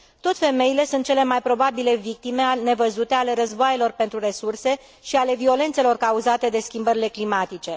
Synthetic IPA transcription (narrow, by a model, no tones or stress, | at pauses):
t̪ot̪fe̞me̞jile̞sunt̪̚t͡ʃe̞le̞majpɾo̞babile̞vik̚t̪ime̞ne̞vəzut̪e̞ale̞ɾəzboaje̞lo̞rpe̞nt̪ɾure̞surse̞ | ʃiale̞vio̞le̞nt̪se̞lo̞rkauzat̪e̞d̪e̞skʲimbəɾile̞klimat̪it͡ʃe̞